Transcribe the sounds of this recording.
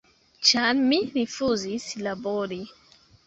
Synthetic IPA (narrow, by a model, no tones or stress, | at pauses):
t͡ʃanmiɾifuzislaboɾi